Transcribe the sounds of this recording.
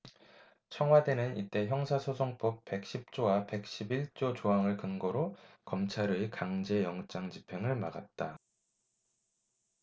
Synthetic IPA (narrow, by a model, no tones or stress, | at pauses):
t͡ɕʰʌŋwade̞nɯnḭt͈e̞çjʌŋsʰasʰosʰoŋp͈ʌp̚p͈e̞k̚ɕ͈ip̚t͡ɕ͈owape̞k̚ɕ͈ibiɭt͡ɕ͈ot͡ɕoɦaŋɯɭkɯnɡʌɾokʌmt͡ɕʰaɾɯikaŋd͡ʑe̞jʌŋt͡ɕ͈aŋd͡ʑipʰe̞ŋɯɭmaɡat̚t͈a